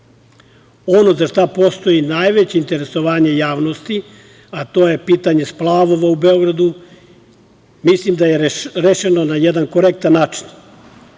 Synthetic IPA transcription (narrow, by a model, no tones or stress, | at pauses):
o̞no̞zaʃt̪apo̞st̪o̞jinajʋet͡ɕeint̪eɾe̞so̞ʋaːɲe̞jaːʋnost̪i | at̪o̞ːje̞piːt̪aɲe̞splˠaːʋo̞ʋaubeo̞ɡɾad̪u | mislimd̪ajeɾeʃeno̞najed̪anko̞ɾek̚t̪anːaːt͡ʃi̥n